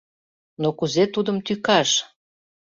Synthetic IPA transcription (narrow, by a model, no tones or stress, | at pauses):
nokuzet̪ud̪əmt̪ykɑʃ